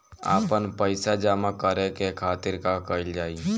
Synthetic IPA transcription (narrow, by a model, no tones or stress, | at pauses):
a̰ːpənpəɪsad͡ʒaːmakəɾekekʰaːt̪ɪɾkakəɪld͡ʒaːi